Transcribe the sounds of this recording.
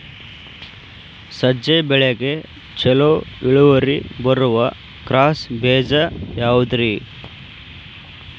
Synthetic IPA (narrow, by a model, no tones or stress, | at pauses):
sɐd͡ʒɐjbɛɭeɡe | t͡ʃɛloiɭuʋɐɾibɐɾuʋɐ | kɾaːsbeːd͡ʒɐjaːʋud̪ɾi